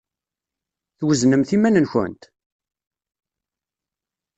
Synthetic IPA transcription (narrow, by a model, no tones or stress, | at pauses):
θwəznəmθimænənçə̰nt̪